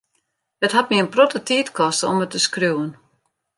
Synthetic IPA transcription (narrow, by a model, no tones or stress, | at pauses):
dətɦat̚miənprotətiːtkʰɔstəɔmətːəskrjuːən